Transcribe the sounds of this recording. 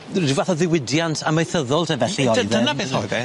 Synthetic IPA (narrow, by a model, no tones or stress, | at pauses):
dɨvaθɔðɪwɪdjantʰaməjθəðɔlˠtʰəvɛɬiɔðənaɪɔðɛ